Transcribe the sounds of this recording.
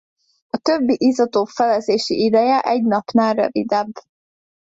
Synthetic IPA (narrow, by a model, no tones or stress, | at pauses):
ɒt̪øbːiʔizɒt̪oːfɛlɛzeːʃiid̪ɛjɛʔɛɟnɒpnaːrø̰vid̪ɛbː